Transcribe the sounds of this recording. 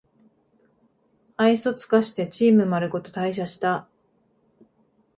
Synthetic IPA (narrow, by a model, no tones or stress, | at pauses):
aiso̞t͡sɨ̥kaɕi̥t̪e̞t͡ɕiːmɯ̟maɾɯ̟ko̞t̪o̞̥t̪aiɕ̬aɕi̥t̪a